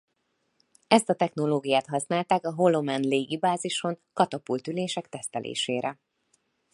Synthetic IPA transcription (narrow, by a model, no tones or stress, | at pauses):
ɛst̪ɒt̪ɛxno̞loːɡijaːt̪hɒsnaːlt̪aːkɒɦo̞lo̞mɛnleːɡibaːziʃo̞ŋkɒt̪ɒpult̪yleːʃɛkt̪ɛst̪ɛlʔḛːʃeːɾɛ